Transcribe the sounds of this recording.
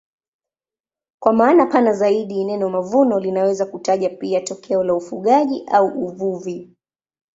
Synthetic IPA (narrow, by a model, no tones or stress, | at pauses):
kwamaːnapanazaiɗiːnɛnɔmavunɔlinawɛzakutaʄapiatɔkʰɛɔlaufuɠaʄiʔauʔuvuvi